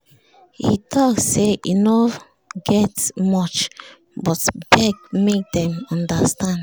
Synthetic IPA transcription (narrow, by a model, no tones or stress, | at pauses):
hḭtʰɔksːeʔino | ɡɛtmɔt͡ʃ | bɔtbɛkmek̚dɛ̃mɔ̃ndastãnd